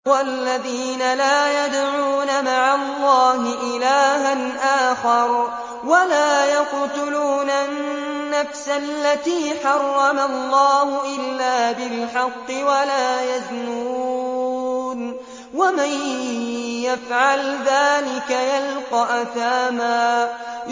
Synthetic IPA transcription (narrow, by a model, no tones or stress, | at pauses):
walːaðiːnalaːjad̪ʕuːnamaʕalˤːɑːhɪʔɪlaːɦanʔaːxɑɾˤ | walaːjɑqt̪ʊluːnannːafsalːat̪iːħɑrˤːɑmalˤːɑːhʊʔɪlːaːbɪlħɑqːɨwalaːjaðnuː | n | waman | jafʕalðaːlɪkajalqɑʔaθaːmaː